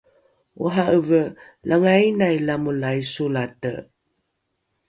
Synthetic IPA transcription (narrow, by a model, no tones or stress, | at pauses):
uɦaəvə | lʔaŋainajlamulajsulatə̰